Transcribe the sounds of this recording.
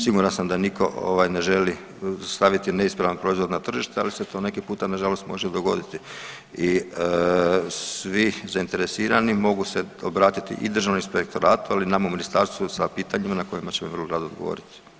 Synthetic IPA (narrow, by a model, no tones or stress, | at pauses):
siɡuɾansamd̪anikʰo̞̰ʔo̰ʋajne̞ʒe̞li | st̪aʋit̪ine̞ispɾaʋanpɾo̞izʋo̞d̪nat̪r̩ʒiʃt̪ea̰liset̪o̞ːne̞kepuːt̪anaʒalo̞st̪mo̞ʒed̪o̞ɡo̞̰d̪it̪i | iə | sʋizaint̪e̞ɾe̞siːɾanimo̞ɡuse̞obɾaːt̪it̪ḭʔḭd̪ɾr̩ʒaʋnispe̞k̚t̪o̞ɾaːt̪ualinamauminist̪aɾst̪ʋusapiːt̪aɲimanako̞jimat͡ɕemiʋərloɾad̪od̪ɡo̞̰o̰ːɾit̪i̥